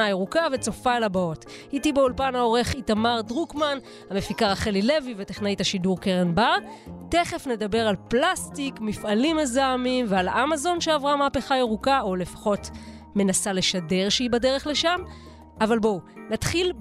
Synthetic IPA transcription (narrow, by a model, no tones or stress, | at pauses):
ajeʁukave̞t͡so̞faalabao̞titibeulpanao̞ʁe̞χitamaʁdʁukman | hame̞fikaʁaχelile̞vive̞tiχnaitaʃiduʁkeʁenbaʁte̞χe̞fne̞dabe̞ʁalplastikmifalimezamimvealʔamazo̞nʃeavʁamaːpe̞χaeʁukaole̞fḁχo̞t | me̞nasale̞ʃade̞ʁʃeibadeʁe̞χle̞ʃam | avalbo̞natχil